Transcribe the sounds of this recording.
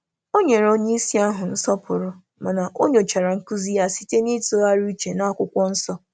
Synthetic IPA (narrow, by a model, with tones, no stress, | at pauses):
o˦ɲe˨ɾo˦ɲe˦i˦si˦a˦ɦʊ˨n̩˦sɔ˦pʊ˨ɾʊ˨ | ma˨na˨ʔo˦ɲo˨t͡ʃa˨ɾa˨ŋ̩˦ku˦zi˦ja˨si̥˦te˦ni˦to˦a˦ɾu˦i˦t͡ʃe˨na˦kʷʊ˦kʷɔ˦n̩˦sɔ˦